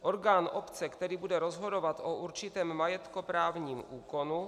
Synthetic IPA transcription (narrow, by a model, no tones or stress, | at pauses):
ʔoɾɡaːnʔopt͡sɛkt̪ɛɾiːbudɛɾozɦodovat̪ʔoʔuɾt͡ʃɪt̪ɛːmːajɛt̪kopɾaːvɲiːmʔuːkonu